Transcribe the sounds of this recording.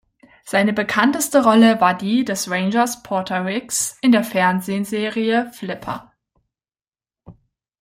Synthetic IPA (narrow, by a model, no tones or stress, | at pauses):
z̥aɪnəbəkʰantəstəʁɔləvaːɐdiːdɛsʁeɪnd͡ʒɐspʰɔɐtʰɐʁɪksʔɪndeːɐfɛɐnzeːənzeːʁiəflɪpʰɐ̰